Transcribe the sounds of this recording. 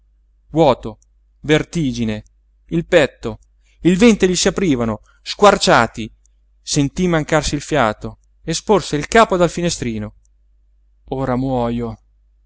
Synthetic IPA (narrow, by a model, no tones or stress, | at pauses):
vwɔːt̪o | vert̪iːd͡ʒine | ilpɛt̪ːo | ilvɛnt̪eʎisiapɾiːvano | skwart͡ʃaːt̪i | sent̪imaŋkarsiːlfjaːt̪o | esporseilkaːpod̪alfinest̪ɾiːno | oːɾamwɔːjo